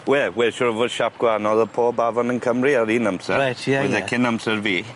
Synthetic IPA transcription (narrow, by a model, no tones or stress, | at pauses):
wɛːwɛʃɔɾəvoːd̥ʃap̚ɡ̥wanɔðəpʰɔːbavɔnɪ̃nkʰəmriəɾiːnəmsətɛɛðɛkʰɪnəmsəɹviː